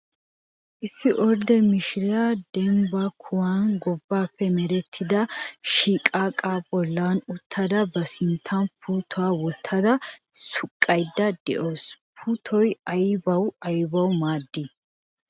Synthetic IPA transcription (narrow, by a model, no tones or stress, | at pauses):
ʔɪsːɪʔɔɾd̪ɛmɪʃɪɾɪjad̪ɛmbɐkʰʊwaːnɡɔbːaːpːɛmɛɾɛt̪ʰːɪd̪ɐʃiːkʼaːkʼaːbɔlːanʊt̪ʰːɐd̪ɐbɐsɪnt̪ʰːɐnpʰuːt̪ʰɔaːwɔt̪ʰːɐd̪ɐsʊkʼːɐjd̪ːɐd̪̥ɛ̰ʔoːspʰuːt̪ʰɔjɐjbɐwɐjbɐwmaːd̪ːi